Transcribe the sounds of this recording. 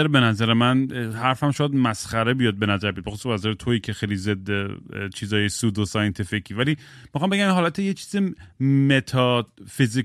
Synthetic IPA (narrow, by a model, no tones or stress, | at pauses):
ɾebenæzæɾemænhæɾfhæmʃojæd̪mæsχæɾebijɒd̪̚be̞næzæɾbejd̪bexosubæzæɾet̪ʰoiːkʰexejlized̪ːet͡ʃʰiːzɒːjesuːd̪osɒjent̪ʰificʰiːvæliː | mixɑːmbeɡæminɦɒːlæt̪ʰejet͡ʃʰiːzemet̪ʰɒfizi